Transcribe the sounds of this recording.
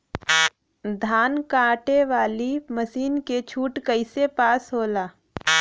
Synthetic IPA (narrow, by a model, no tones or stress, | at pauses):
d̪ʱaːnkaːʈeʋaːliməsiːnket͡ʃʰuːʈkəɪsepaːsɦoːlaː